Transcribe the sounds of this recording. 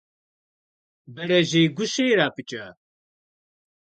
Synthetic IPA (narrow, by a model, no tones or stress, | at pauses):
bɛɾɛʒeːɡuʃeːɾaːpɨt͡ʃɛ